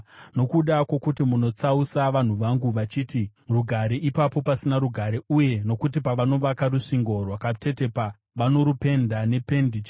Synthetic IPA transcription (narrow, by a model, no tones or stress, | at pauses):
no̞kuɗakwokutimuno̞t͡sausaʋan̤uʋaŋɡuʋat͡ʃiːtiruɡʱaɾiʔipapo̞pasinaɾuɡʱaɾeuje̞no̞kut̬ipaʋano̞ʋakaɾuʂiŋɡo̞rwakate̞te̞pa | ʋano̞ɾupe̞ndane̞pe̞ndit͡ʃ